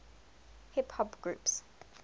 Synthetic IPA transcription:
hɪphɔbɡɹuˑps

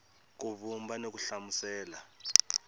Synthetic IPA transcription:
k̬uβumbanok̬uɬamusɛːla

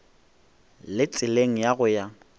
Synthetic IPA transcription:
lɪt͡sʼɪleŋ̩jaɣʊja

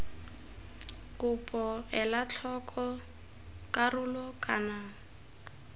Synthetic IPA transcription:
kupʼɔɛlat͡ɬʰɔkʼʰɔ | kʼarulɔkʼana

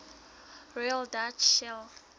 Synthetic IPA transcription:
rɔjaldat͡ʃɛl

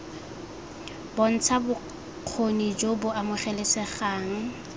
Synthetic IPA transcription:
bon̩t͡sʰabʊ | q͡χʰonid͡ʒobʊamʊχɛlɪsɛχaːŋ̩

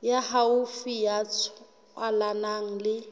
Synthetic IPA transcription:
jahaʊfijat͡sʰʊ | alanaŋ̩lɪ

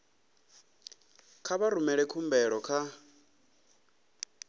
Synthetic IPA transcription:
kʰaβaɾumɛɺɛkʰumbɛɺɔkʰa

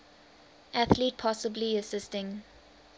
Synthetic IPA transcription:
ʔæθlit̚pʰɔsəbliəsɪstɪ̃ŋ

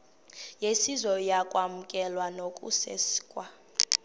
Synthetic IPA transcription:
jesizɔjakʼwamukʼɛlwanokʼṵsḛsi̥kʼwa

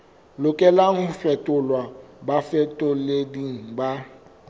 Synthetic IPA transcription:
lʊkʼɛlaŋʊfɛtʼʊlwabafɛtʼʊlediŋ̩ba

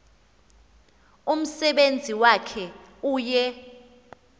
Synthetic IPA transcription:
um̩sɛɓend͡zʱiwakʰɛuːjɛ

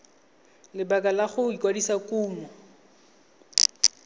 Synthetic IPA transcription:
lɪbakalaχʊikwadisakʼuːmɔ

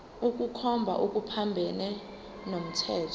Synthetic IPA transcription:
uk̬ʼukʰɔmbʱa̰ʔuk̬ʼupʰambʱɛnɛ | nom̩tʰɛːtʰɔ

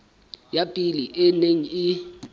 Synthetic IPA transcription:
japʼiliʔɛneŋ̩i

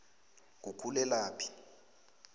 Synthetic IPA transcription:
k̬ukʰulɛlaːpʰi̥

